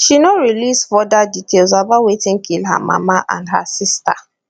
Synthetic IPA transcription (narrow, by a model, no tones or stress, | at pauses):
ʃinoɹilisfɔdaditʰels̬abawetĩŋkʰilha̰ma̰maʔã̰ndɦa̰sista̰